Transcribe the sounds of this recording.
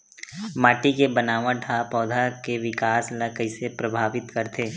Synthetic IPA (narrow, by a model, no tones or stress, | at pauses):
maːʈikebɐnaːʋãʈʰapɔːd̪ʱakeʋɪkaːslɐkəisepɾɐbʱaːʋɪt̪kɐɾt̪eː